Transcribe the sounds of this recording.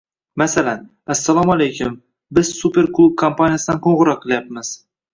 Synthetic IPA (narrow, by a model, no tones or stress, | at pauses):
masalan | asːalˠɒmalejkʲʰʊm | bɪzsupe̞ɾklˠub̚kʰompʰanijasɪd̪anqʰoɴʁɨɾɒqʰːɨlˠjapmɪz̥